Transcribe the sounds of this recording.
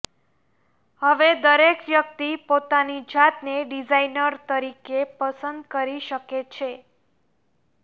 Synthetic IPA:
həʋed̪əɾekʋjək̚t̪ipot̪anid͡ʒat̪neɖid͡ʒainəɾt̪əɾikepəsənd̪kəɾiʃəket͡ʃʰe

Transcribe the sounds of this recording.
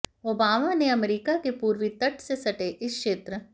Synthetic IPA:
oːbaːmaneɐmɾiːkakepuːɾʋit̪ɐʈʰsesɐʈeʔɪskʃeːt̪ɾə

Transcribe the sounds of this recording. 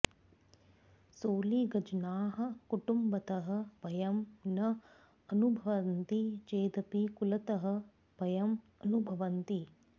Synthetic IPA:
soːliɡɐd͡ʒnaːɦɐ̆kuʈumbɐt̪ɐɦɐ̆bɐjɐmnɐ | ɐnubʱɐʋɐnt̪it͡ʃeːd̪ɐpikulɐt̪ɐɦɐ̆ | bɐjɐm | ɐnubʱɐʋɐnt̪i

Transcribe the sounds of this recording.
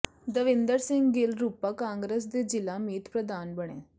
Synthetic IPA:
d̪əʋɪ̃nd̪əɾsɪ̃ŋɡɡɪlɾuːpaːkãːŋɡɾəs̬d̪eːd͡ʒɪlaːmiːt̪pɾəd̪aːnbəɳ̃ḛ̃ː

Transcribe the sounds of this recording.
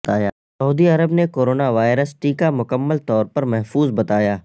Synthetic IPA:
aːjaː | ɐuːd̪iɐɾəbnekoːɾoːnaʋaːɪɾəsʈiːkamʊkəmːəlt̪ɔːɾpɐɾmɛɦfuːzbɐt̪aːjaː

